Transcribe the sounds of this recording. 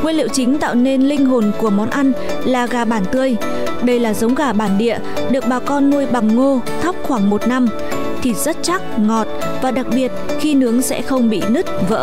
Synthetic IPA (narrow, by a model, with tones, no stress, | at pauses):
ŋwi˧lḭ˧˨əwt͡ɕï˨˦ŋ̟t̪a̰ː˧˨wne˧nlï˧ŋ̟ɦo˨˩nku˧˩əmɔ˨˦nʔa˧jn | laː˨˩ɣaː˨˩ɓaː˧˩nt̪ɨ˧əj | ɗə˧jlaː˨˩zə˨˦wŋ͡mɣaː˨˩ɓaː˧˩nɗḭ˧˨ə | ɗɨ˨˩ək̚ɓaː˨˩kɔ˧nːu˧əjɓa˨˩ŋːo˧ | t̪ʰa˦˥wk͡p̚xwaː˧˩ŋmo˨˩t̚na˧m | t̪ʰi˨˩zə˦˥t̚t͡ɕa˦˥k̚ŋɔ˨˩t̚ | vaː˨˩ɗa˨˩k̚ɓi˨˩ət̚ | xi˧nɨ˨˦əŋsɛ̰˧˥xə˧wŋ͡mɓḭ˧˨nɨ˦˥t̚və̰ː˧˥